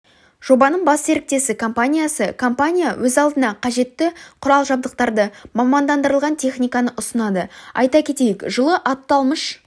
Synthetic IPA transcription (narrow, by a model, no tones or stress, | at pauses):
ʒ̥o̞bɑnəɴbɑsse̞ɾɪk̚t̪e̞sɪkʰo̞mpanʲijasəkʰo̞mpanʲija̰wʔɵzɑlˠd̪ənɑqʰɑʒe̞t̪ːɪqʰʊɾɑlˠʒɑb̚d̪əq̚t̪ɑɾd̪əmɑmɑnd̪ɑnd̪əɾəlˠʁɑnt̪ʰʲe̞χnʲijkɑnəʔʊsənɑd̪əɑ̰jt̪ɑkʲʰe̞t̪e̞jɪkʒəlˠəʔɑt̪ːɑlˠməʃ